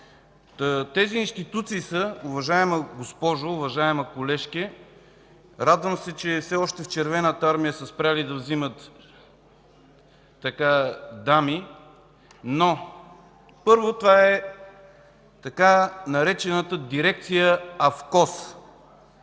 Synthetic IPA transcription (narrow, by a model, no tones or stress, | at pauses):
t̪ɛziːnst̪it̪ut̪siːsəʊvɐʒaɛməɡospɔʒoːvɐʒaɛmɐkolɛʃkɛ | ɾad̪vəmsɛt͡ʃɛfsɛɔʃt̪ɛft͡ʃɛɾvɛnət̪əaɾmijəsəspɾʲalid̪ɐvzimət̪ | ɐkad̪ami | no | pɤɾvot̪ovaɛ | t̪ɐkanɐɾɛt͡ʃɛnət̪əd̪iɾɛk̚t̪sijəɐfkɔs